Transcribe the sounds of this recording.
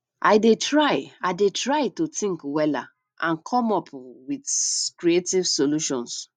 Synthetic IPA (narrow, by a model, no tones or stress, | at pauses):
ʔaɪdetɹaɪaɪdetɹaɪtutĩŋkwɛla̰ | ʔã̰nkʰɔ̃mɔpwidkɹietivsoluʃɔ̰̃ns